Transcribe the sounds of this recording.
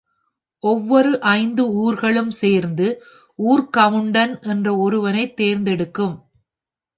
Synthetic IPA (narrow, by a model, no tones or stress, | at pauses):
ʔɔʋːɔɾɯʔɐɪnd̪ɯuːɾɣɐɭɯmseːɾnd̪ɯ | uːɾkɐʋɯɳɖɐnʔɛndrɐɔɾɯʋɐnɐɪt̪ːeːɾnd̪ɛɽɯkːɯm